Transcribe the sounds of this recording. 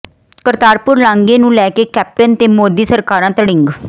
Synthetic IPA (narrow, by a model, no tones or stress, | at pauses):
kəɾt̪aːɾpʊɾlãːŋɡeːnũːlɛːkeːkɛːp̚ʈənt̪eːmoːd̪iːsəɾkaːɾãːt̪əɽɪ̃ŋɡ